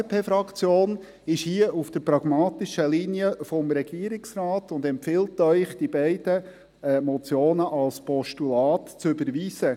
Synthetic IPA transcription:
pʰeːfɾɑkt͡sjoːn | ɪʃhiəʔufd̥əɾpɾɑɡ̥mɑːtɪʃəliniəfɔmɾɛɡiəɾɪksrɑːtʊndɛmpfɪltœʏχd̥ibɛɪdə | mɔt͡sjoːnəʔɑlspɔʃtulɑːtt͡sʏbəɾʋiːsə

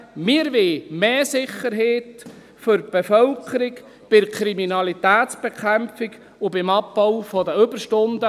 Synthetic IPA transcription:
mɪəɾʋemeːsɪχːəɾɦeːt̪ | fʏɾ̚b̥efœlkʰəɾik | b̥ɪkʰɾiminɑlit̪æːt̪sb̥ekʰæmfiɡ | ʊbɪmɑpbɔwfɔd̪əʏbəɾʃtʊnd̪ə

